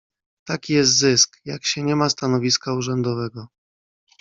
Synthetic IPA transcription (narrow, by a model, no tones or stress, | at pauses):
t̪akʲijɛst̪zɘskjakɕɛɲɛmast̪anɔvʲiskauʐɛnd̪ɔvɛɡɔ